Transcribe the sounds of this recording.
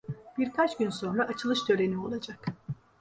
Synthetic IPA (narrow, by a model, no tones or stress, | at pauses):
b̥iɾkʰat͡ʃɟynso̞nɾaʔːt͡ʃʰɯlˠɯʃd̪ʰø̞ɾenio̞lˠad͡ʒak